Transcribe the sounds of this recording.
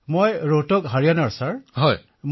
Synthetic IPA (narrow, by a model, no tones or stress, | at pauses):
mojɹotɔkɦaɹijanaɹsaɹɦɔj | m